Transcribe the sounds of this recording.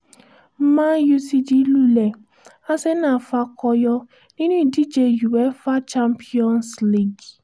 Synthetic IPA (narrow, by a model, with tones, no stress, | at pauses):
mã˦ju˧si˧d͡ʒi˨˦lu˦lɛ˨ | a˦sɛ˦nã˦˨fa˧kɔ˧jɔ˧ | nĩ˦nũ˦i˦˨di˦d͡ʒe˧ju˨wɛ˨˦fa˦t͡ʃa˦mpi˦ɔ̃˦nsli˦˨ɡ